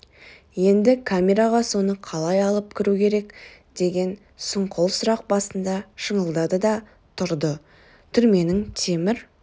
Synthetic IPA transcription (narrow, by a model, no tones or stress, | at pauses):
je̞nd̪ɪkʰamʲe̞ɾaʁɑso̞nəqʰɑlˠɑjɑlˠəp̚kʲʰɪɾukʲʰe̞ɾe̞k | d̪̥e̞ɡʲe̞n | sʊɴqʰolˠsʊɾɑq̚bɑsənd̪ɑʃəɴəlˠd̪ɑd̪əd̪ɑ | t̪ʰʊɾd̪ə | t̪ʰʏɾme̞nɪŋt̪ʰe̞mɪɾ